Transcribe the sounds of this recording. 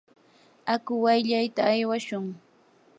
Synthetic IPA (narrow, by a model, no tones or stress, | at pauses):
akʊwajʎajt̪aːjwaʃʊŋ